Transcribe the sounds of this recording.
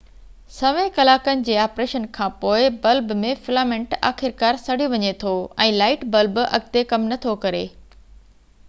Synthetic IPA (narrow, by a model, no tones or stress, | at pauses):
sɐʋẽkɐlaːkənɪ̆d͡ʑeːaːpɾeːʃənkʰãːpoːɪbɐlbmẽfɪlaːmẽɳʈa̰ːxɪɾkaːɾsɐɽ̤iʋɐɲet̪ʰoɛ̃ːlaːɪʈbɐlbɐ̰ɡ̚t̪ekɐmnɐt̪ʰokɐɾeː